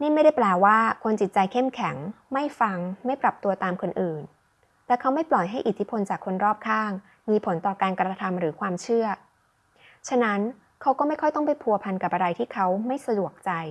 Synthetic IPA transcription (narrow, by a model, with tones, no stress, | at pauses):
niː˥˩ma˥˩jda˥˩jplɛː˨˩wwaː˥˩kʰo˧nt͡ɕi˨˩t̪̚t͡ɕa˧jkʰe˥˩mkʰɛ˩˦ŋma˥˩jfa˧ŋma˥˩jpɾa˨˩p̚t̪u˧ɐt̪aː˧mkʰo˧nʔɯː˨˩n | lɛː˨˦˥kʰa˦˥wma˥˩jplɔ˨˩jɦa˥˩jʔi˨˩t̪ʰːi˦˥pʰo˧nt͡ɕaː˨˩kʰːo˧nɾɔː˥˩p̚kʰaː˥˩ŋ | miː˧pʰo˩˦nt̪ɔː˨˩kaː˧nkɾa˧t̪ʰa˧mɾɯː˩˦kʰwaː˧mt͡ɕʰɯ˥˩ɐ | t͡ɕʰa˧na˦˥n | kʰa˦˥wkɔː˥˩ma˥˩jkʰɔ˥˩jt̪ɔ˥˩ŋpa˨˩jpʰu˧ɐpʰa˧nka˨˩p̚ʔa˧ɾa˧jt̪ʰiː˥˩kʰa˦˥wma˥˩jsa˧du˨˩ək̚t͡ɕa˧j